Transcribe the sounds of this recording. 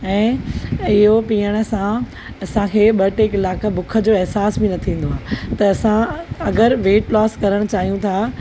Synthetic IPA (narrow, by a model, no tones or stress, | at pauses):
ɛ̃ːɪɦopiːəɽ̃̆sã | ɐsãkʰeːɓɐʈekɪlaːkabʊkʰə̆d͡ʑoːɪɦsaːsbɪnɐt̪ʰĩːn̆d̪oaːt̪ɐːsãɐɡəɾʋeːʈlɔːskɐɾəɽ̃t͡ɕaːɦijũt̪ʰaː